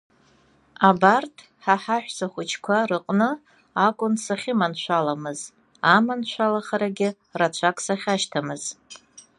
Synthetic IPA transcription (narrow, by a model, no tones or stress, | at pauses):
abartʰ | ħaħaħʷᶣsaχʷʊt͡ʃʰkʷʰarɨqʼnɨ | akʷʼʊnsaχʲɪmanʃʷʰalamɨz | amanʃʷʰalaχaɾaɡʲɪ | rat͡ʃʷʰakʰʼsaχʲaʃtʰamɨz̥